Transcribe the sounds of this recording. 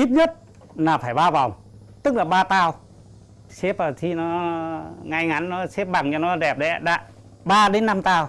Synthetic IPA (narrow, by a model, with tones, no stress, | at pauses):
ʔi˦˥p̚ɲə˦˥t̚ | naː˨˩faː˧˩jɓaː˧va˨˩wŋ͡m | t̪ɨ˦˥k̚laː˨˩ɓaː˧t̪aː˧w | se˦˥p̚əː˨˩t̪ʰi˧nɔ˨˦ | ŋa˧jŋa˨˦nnɔ˨˦se˦˥p̚ɓa˨˩ŋɲɔ˧˩nɔ˨˦ɗɛ˨˩p̚ɗɛ̰˧˦ɗa̰ː˧˥ | ɓaː˧ɗe˨˦nːa˧mt̪aː˧w